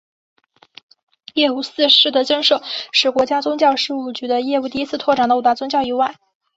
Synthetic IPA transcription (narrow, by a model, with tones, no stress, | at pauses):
jɛ˥˧u˥˩sɹ̩˥˧ʂɻ̩˥˩t̪ə˧˥t͡ɕə˥nʂo˥˩ʊʂɻ̩˥˩kwɔ˧˥t͡ɕja˥t͡sʊ˥ŋt͡ɕjɑ˥˧ʊʂɻ̩˥˧u˥˩t͡ɕy˧˥d̪ə˧jɛ˥˧u˥˧t̪̬i˥˧i˥t͡sʰɹ̩˥˧t̪ʰwɔ˥˩ʈ͡ʂɑ˨˩ŋd̪ə˧˨˧t̪a˥t͡sʊ˥ŋt͡ɕjɑ˥˧ʊi˧˥wa˥˩ɪ